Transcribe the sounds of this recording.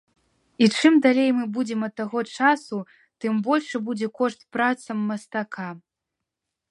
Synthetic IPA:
it͡ʂɨmd̪alʲejmɨbud͡zʲɛmɐt̪ːaɣɔt͡ʂasu | t̪ɨmbɔlʲʂɨbud͡zʲɛkɔʂt̪pɾat̪sɐmːɐst̪aka

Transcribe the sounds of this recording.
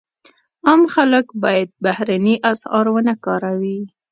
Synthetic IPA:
ɑmxaləkbɑjad̪̚bahɾaniʔasɑɾwənakɑɾawi

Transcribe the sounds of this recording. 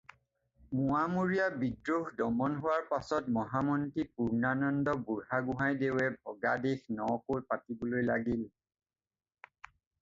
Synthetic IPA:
muamuɹijabidɹoxdɔmɔnɦʊwaɹpasɔtmɔɦamɔntipuɹnanɔndɔbuɹɦaɡʊɦajdeʊɛbʱɔɡadexnɔkojpatibolojlaɡil

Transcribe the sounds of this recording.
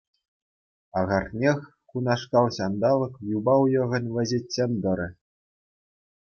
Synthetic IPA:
ɑʁɑrnʲexʲ | kunɑʂkɑlˠɕɑnd̪ɑlˠɤ̆kjubɑwjɤ̆ʁɤ̆nʲʋʲɘ̆zʲetʲsenʲd̪ɤ̆ɾʲɘ̆

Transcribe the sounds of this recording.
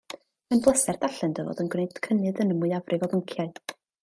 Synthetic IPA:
ənblˠəsɛrd̥aɬɨndəvo̰ːdənɡwnejd̥kʰənɨðənəmʊɨavrʔɨvɔðəŋkʰjaɨ

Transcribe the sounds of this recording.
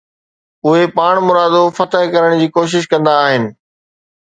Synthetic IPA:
ʊɦepaːɽ̃mʊɾaːd̪ofɐt̪əɦkɐɾəɽ̃d͡ʑiːkoːʃ̬ɪʃ̬kɐ̃nd̪aːɦɪnɪ̆

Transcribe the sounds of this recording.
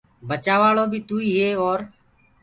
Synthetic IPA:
bət͡ʃaːʋaːloːbʱiːt̪uːiːɦeːɔːɾ

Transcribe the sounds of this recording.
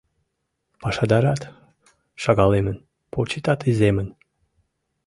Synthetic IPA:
pɑʃɑd̪ɑɾɑt̪ | ʃɑɣɑlemən | pʰot͡ɕit̪ɑt̪izemən

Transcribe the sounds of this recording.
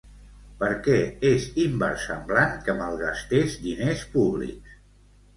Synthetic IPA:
pəɾkɛezimbə̰ɾsəmblaŋkəməlˠɣast̪eʃd̪inespuβlḭks

